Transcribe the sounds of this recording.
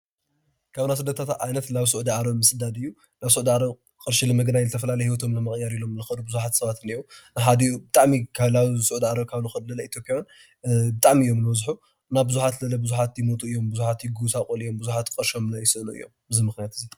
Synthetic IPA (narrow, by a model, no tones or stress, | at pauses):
kʰaβnas̬ɨd̪ɐt̪ʰat̪ʔa̰jnɐt̪laβsʊʔd̪iʕaɾɐβmɨsɨd̪ad̪ɨjːu | laβsuʕd̪iʕaɾɐβ | kʼɨɾʃilɨmɐɡnajzɨt̪ʰɐfɐlalɐjhiwɔt̪ʰo̞mlɐmːɐkʼjaɾilo̞mlɨxɐd̪ubɨzuħat̪sɐβat̪ɨniuħad̪ijubɨt̪ʼaʕmikʰalaβsuʕud̪iʕaɾɐβkʰaβnɨxɨd̪lɐlɐit̪ʰjopʼjawn | bɨt̪ʼaʕmiɨjːo̞mlɨwɔzħu | naβbɨzuħat̪lɐlɐbɨzuħat̪jɪmot̪ʰʼuɨjːo̞mbɨzuħat̪jɪɡusakʼolijo̞mbɨzuħat̪kʼɨɾʃomnajɪsɨɨnuɨ̰jːo̞̰mbɨzimɨxnijat̪ɨzi